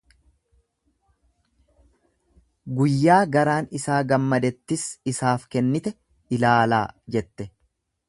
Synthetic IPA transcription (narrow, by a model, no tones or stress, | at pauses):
ɡʊjːaːɡɐɾaːnɪsaːɡɐmːɐd̪ɛt̪ːɪsɪsaːfkɛnːɪt̪ɛ | ɪlaːla̰ːd͡ʒɛt̪ːɛ